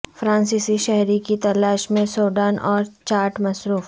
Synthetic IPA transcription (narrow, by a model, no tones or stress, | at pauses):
fɾãːnsiːsiʃɛɦɾikit̪ɐlaːʃmẽsoːɖaːnʔɔːɾt͡ʃaːɾʈmɐsɾuːf